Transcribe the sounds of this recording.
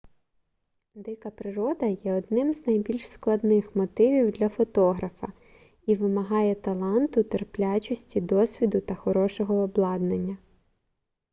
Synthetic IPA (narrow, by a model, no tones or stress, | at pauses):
d̪ɪkɐpɾɪɾɔd̪ɐjɛɔd̪nɪmznɐjbʲilʲʃsklˠɐd̪nɪxmɔt̪ɪʋʲiwd̪lʲɐfɔt̪ɔɦɾɐfɐ | iʋɪmɐɦɑjɛt̪ɐlˠɑnt̪ʊt̪erplʲat͡ʃɔsʲtʲid̪ɔsʲʋʲid̪ʊt̪ɐxɔɾɔʃɔɦɔːblˠɑd̪nenʲːɐ